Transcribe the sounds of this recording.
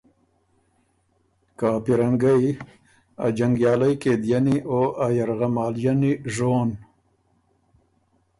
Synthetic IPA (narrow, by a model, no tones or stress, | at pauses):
kɑːpiɾaŋɡaj | a̰d͡ʒaŋɡjɑːlajkeːd̪janiʔoʔajaɾɣamɑːljaniʐoːn